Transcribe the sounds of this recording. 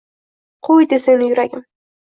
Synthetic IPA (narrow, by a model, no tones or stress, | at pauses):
qʰojd̪eseŋnɪjʊɾaɡʲɪm